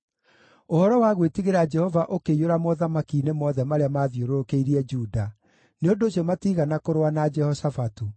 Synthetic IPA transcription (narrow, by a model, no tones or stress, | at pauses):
ohɔɾɔwaɣwetiɣeɾad͡ʒɛhɔvaʔokeijoɾamɔðamakinemɔðɛmaɾeamaːðioɾokeiɾiɛd͡ʒuːda | neondoːɕiɔmatiːɣanakoɾwanad͡ʒɛhɔsafatu